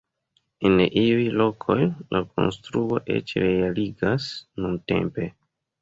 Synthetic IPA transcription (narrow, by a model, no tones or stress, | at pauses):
enʔiujlo̞kʰo̞jlʔakʰo̞̰nstɾuo̞ʔe̞̰t͡ʃɾealiɡasnunte̞̰mpe̞